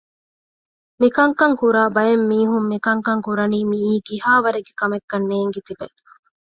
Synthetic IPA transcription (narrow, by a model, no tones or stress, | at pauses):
mikɐŋkɐŋkuɾaːbɐjemːiːɦumːikɐŋkɐŋkuɾɐniːmiːkihaːʋɐɾeɡekɐmekːɐnːeːŋɡet̪ibe